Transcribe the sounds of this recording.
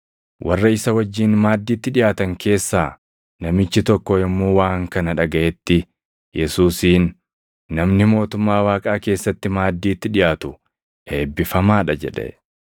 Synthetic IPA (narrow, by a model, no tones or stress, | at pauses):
wʔɐrːɐɪsɐwɐd͡ʒːiːnmaːd̪ːiːt̪ːɪᶑɪjaːt̪ɐŋke̞ːsːaː | nɐmɪt͡ʃːɪt̪ɔkːɔɪmːuːwaːŋkɐnɐᶑɐɡɐʔɛt̪ːɪ | jɛsuːsiːnː | ɐmnɪmo̞ːt̪ʊmːaːwaːkʼaːke̞ːsːɐt̪ːɪmaːd̪ːiːt̪ːɪᶑɪjaːt̪ʊ | e̞ːbːɪfɐmaːᶑɐd͡ʒɛᶑɛ̰